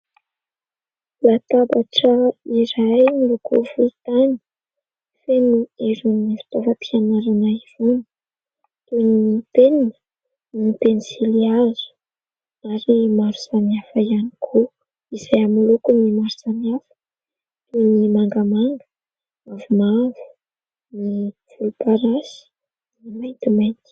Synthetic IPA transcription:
lat̪abaʈ͡ʂəiɾajnilukʰovut̪ani̥ | fenueɾunivi̥t̪ovapianaɾanaiv̥unə̥ | t̪uninit̪eninə̥ | nit̪enisiliazu̥ | aɾimaɾusaniafaianikʰo | izajamulukunimaɾusaniafə̥ | t̪unimaŋɡamaŋɡə̥ | avumavu̥ | nifulupaɾasi̥ | nimajnt̪umajnt̪i̥

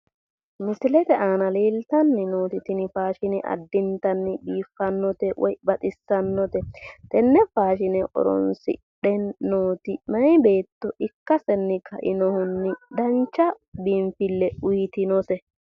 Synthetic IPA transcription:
mɪsɪlɛt̪ɛʔaːnɐleːlt̪ɐnːɪnoːt̪ɪt̪ɪnɪfaːʃɪnɛʔɐ̰d̪ːɪnt̪ɐnːɪbiːfːɐnːɔt̪ɛwɔ̰jbɐt̪ʼɪsːɐnːɔt̪ɛt̪ɛnːɛfaːʃ̬ɪnɛʔɔ̰ɾɔ̰nsɪ̰ | ɗɛnoːt̪ɪmɐnɪbe̞ːt̪ːɔʔɪkːɐsɛnːɪkʰɐʔɪnɔhʊnːɪd̪ɐnt͡ʃːɐ | bimfɪlːɛʊjɪt̪ɪnɔsɛ

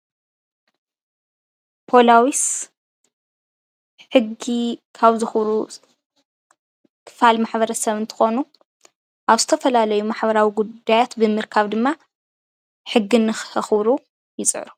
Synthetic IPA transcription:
pʰo̞lawis | ħɨɡikʰaβzɨxβɾu | kʰɨ̥falmaħbɐɾɐsɐβɨnt̪ʰɨ̥xo̞nu | ʔaβzɨt̪ʰɐfɐlalɐjumaħbɐɾawiɡudd̪ːajat̪bɨmɨɾkʰaβd̪ɨmːa | ħɨɡːinːɨxhɨxβɾu | jɪsʼɨ̰ʕɾu

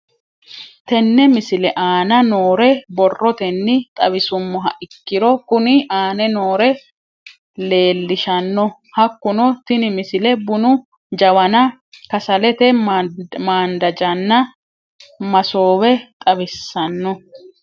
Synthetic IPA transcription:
t̪ɛnːɛmɪsɪlɛʔaːnɐnoːɾɛbɔrːɔt̪ɛnːɪt̪ʼɐβɪsʊmːɔɦɐʔɪkːɪɾɔkʊnɪʔaːnɛno̞ːɾɛ | le̞ːlːɪʃɐnːɔ | hɐkːʊnɔt̪ɪnɪmɪsɪlɛbʊnʊ | d͡ʒɐwɐnɐ | kɐsɐlɛt̪ɛ | maːnd̪ɐd͡ʒɐnːɐ | mɐso̞ːwɛt̪ʼɐβɪsːɐnːɔ

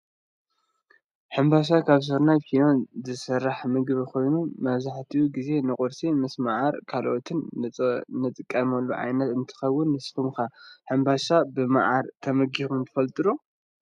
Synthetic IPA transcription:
ħɨmbaʃ̬akʰaβs̬ɨɾnajkʰinozɨsɐrːaħmɨɡβikʰo̞jnumɐβzaħt̪ʰiuɡize̞nɨkʼʊɾsimɨsmaʕaɾkʰalʔot̪ʰɨnʼ | nɨt̪ʼɨkʼːɐmɐlːuʕa̰jnɐt̪ɨnt̪ʰɨ̥xɐwːʊnːɨsfʰumxaħɨmbaʃabɨma̰ʕaɾt̪ʰɐmɐɡixunt̪ʰɨ̥fɐlt̪ʼɨɾo

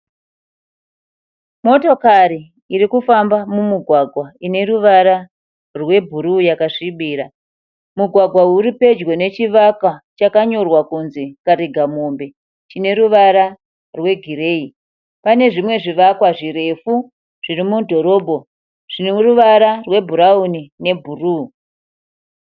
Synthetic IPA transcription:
mo̞to̞kaɾiː | ɾikufambamumuɡʱwaɡʱwaine̞ɾuʋaɾa | rwe̞bʱuɾujakaʂiɓiːɾa | muɡʱwaɡʱwauɾipe̞d͡ʒwe̞ne̞t͡ʃiʋakwat͡ʃakaɲo̞rwakunze̞kaɾiɡʱamo̞mbe̞ | t͡ʃine̞ɾuʋaɾa | rwe̞ɡʱiɾe̞ːi | pane̞ʐimwe̞ʐiʋakwaʐire̞fu | ʐ̥irimudʱo̞ɾo̞ːbʱo̞ | ʐ̥iniruʋaɾarwe̞bʱuɾaunine̞bʱuruː

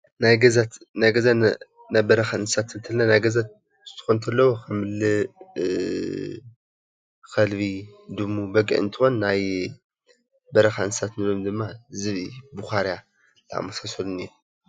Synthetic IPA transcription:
najɡɐza | najɡɐza | najbɐɾɐxaɨnsat̪ɨnt̪ʰɐlnanajɡɐza | zɨ̥t̪ʰɨ̥xont̪ʰɐlːɐwokʰɐmɨlːɨ | xɐlbid̪ɨmubɐɡʼɨ̰ʕɨnt̪ʰɨxo̞nːaj | bɐɾɐxaɨnɨsat̪nɨlomd̪ɨmːazɨβibuxaɾja | lɨa̰mːɐsasɐluniɾu

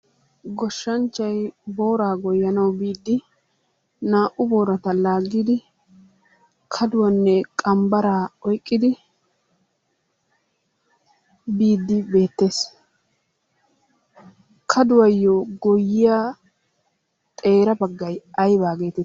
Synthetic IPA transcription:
ɡɔʃːɐnt͡ʃːɐjbo̞ːɾaːɡɔjːɐnɐwbiːd̪ːɪ | naːʔʊbo̞ːɾɐt̪ɐlaːɡːiːd̪ɪ | kʰɐd̪ʊwɐnːɛkʼɐmbɐɾaːɔjkʼːɪd̪ɪ | biːd̪ːɪbe̞ːt̪ːe̞ːs | kʰɐd̪ʊwɐjːɔɡɔjːɪja | t̪ʼe̞ːɾɐbɐɡːɐjɐjbaːɡe̞ːt̪ɛ

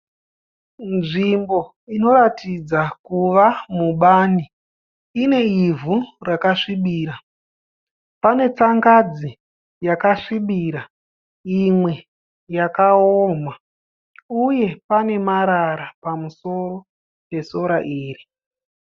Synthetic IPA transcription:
nʐimbo̞ | ino̞ɾatid͡zakuʋamuɓaːni | ine̞ivurakaʂiɓiːɾa | pane̞t͡saŋɡad͡zi | jakaʂiɓiɾa | imwe̞ | jakaoːma | uje̞pane̞maɾaɾapamuso̞ro̞ | pe̞so̞ɾaʔiːri

